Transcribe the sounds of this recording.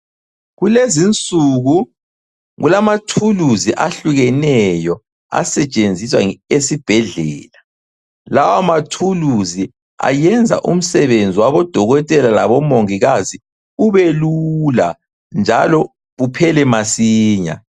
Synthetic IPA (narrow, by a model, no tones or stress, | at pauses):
ɣulezint͡sʼuɣu | ɣulamatʰuluziʔaɬuɣɛnɛjɔ | a̰sɛt͡ʃʼend͡zʱiswaesib̥ʱɛɮɛːla | lawamatʰuluzi | a̰jɛnd͡zʱa̰ʔum̩sɛβend͡zʱiwaβɔd̥ʱɔɣɔtʼɛlalaβɔmoŋiɣazi | uβelula | nd͡ʒʱalɔ | ɣupʰɛlɛmasiːɲa̰